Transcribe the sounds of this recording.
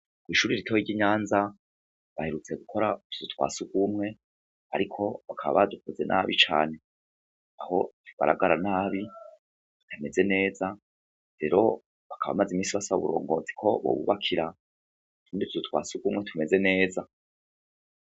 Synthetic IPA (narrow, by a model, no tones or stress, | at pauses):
kwiːʃuːɾiɾitʰohiɟiɲaːnza | βaheɾut͡se̞ɡukʰo̞ɾatʰu̥zutwa̰ːsuɡ̥umŋe̞ | a̰ɾikʰo̞βakʰaβa̰βadukuze̞̰nʔa̰βit͡ʃa̰ːne̞ | aho̞tʰuɡa̰ɾa̰ɡaɾanaːβi | tʰame̞ze̞ne̞ːza | ɾe̞ɾo̞ | βakʰaβa̰mazimiːnsiβasaβuβṵɾo̞̰ːŋɡo̞t͡si̥kʰo̞βo̞̰βṵβakʰiɾa | tuːndituzutwa̰ːsuɡumŋetʰume̞ze̞ne̞ːza